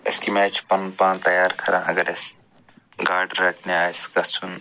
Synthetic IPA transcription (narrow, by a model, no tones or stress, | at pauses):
ḛskimɛːt͡ʃʰpɐnpãːnt̪ɐjaːɾkʰɐɾãːʔɐɡəɾes | ɡaːɖɾɐːkʰneaːjsɡɐɾt͡sʰun